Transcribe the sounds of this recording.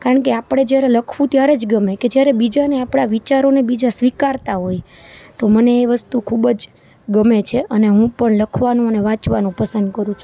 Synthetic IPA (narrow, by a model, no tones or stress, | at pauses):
kaɾəɳkeapɽ̃ed͡ʒjaɾeləkʰʋũt̪jaɾed͡ʒɡəmeked͡ʒjaɾebid͡ʒaneapɳaʋit͡ʃaɾonebid͡ʒasʋikaɾt̪aɦoj | t̪oməneːʋəst̪ukʰubəd͡ʒ | ɡəmet͡ʃʰeʔəneɦũpəɳləkʰʋanũəneʋãt͡ʃʋanũpəsənd̪kəɾũt͡ʃʰũ̥